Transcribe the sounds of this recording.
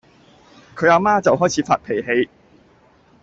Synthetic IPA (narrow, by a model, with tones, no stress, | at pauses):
kʰɵ˨˧aː˨˧maː˥t͡sɐ˨wɦɔː˥jt͡sʰiː˨˧faː˧t̚pʰe˨˩jɦe˨˧j